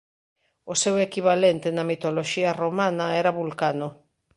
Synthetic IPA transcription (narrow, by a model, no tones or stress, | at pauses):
osewekiβalent̪enɐmit̪oloʃiaromanɐɛɾaβulkano